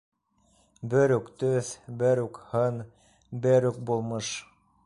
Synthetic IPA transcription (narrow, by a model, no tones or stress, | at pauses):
bɵ̆ɾʉkt̪ɵθbɘ̆ɾʉkhɤn | bɘ̆ɾʉk̚bulˠmɤʃ